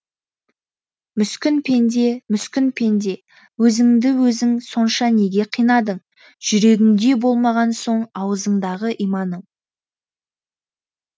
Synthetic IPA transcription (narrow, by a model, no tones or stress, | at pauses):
mʏskʲɪnpʰe̞nd̪e̞mʏskʲɪnpʰe̞nd̪e̞ | wɵzɪŋd̪ɪwɵzɪŋso̞nʃɑne̞ɡʲe̞qʰijnɑd̪əɴ | ʒ̥ʏɾe̞ɡʲɪŋd̪e̞bo̞lˠmɑʁɑnso̞ɴɑwəzəɴd̪ɑʁəʔijmɑnəɴ